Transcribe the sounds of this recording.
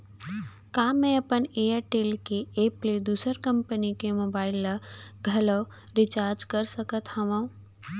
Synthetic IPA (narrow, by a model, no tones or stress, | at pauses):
kaːmɛ̃ɐpəneːjəɾʈeːlkeeːpled̪uːsəɾkə̃mpənikemoːbaːɪlːɐɡʱɐləː | ɾɪt͡ʃaːɾd͡ʒkəɾsəkət̪hɐʋã